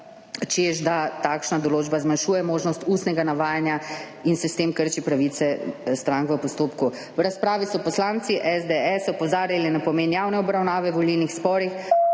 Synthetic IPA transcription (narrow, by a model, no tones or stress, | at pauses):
t͡ʃeʒd̪at̪akʃnad̪ɔloːd͡ʒbazmanʃuːjɛmoːʒnɔst̪ust̪nɛɡanaʋaːjanja | insɛst̪eːmkəɾt͡ʃipɾaʋit̪sɛst̪ɾãŋkʋəpɔst̪oːpku | wɾaspɾaːʋisɔpɔslaːnt̪siʔɛzd̪eɛsɔpɔzaːɾjalinapɔmeːnjaːwnɛɔbɾawnaːʋɛʋɔlilnixspɔːɾix